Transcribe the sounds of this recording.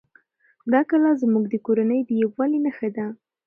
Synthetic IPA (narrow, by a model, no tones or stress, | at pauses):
d̪ɑkalazmuɡd̪əkoɾanəjd̪əjawwalinaxad̪a